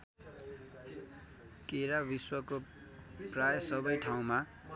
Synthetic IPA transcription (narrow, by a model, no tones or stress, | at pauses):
keɾabiswʌko | prajʌsʌbʌjʈʰaw̃ma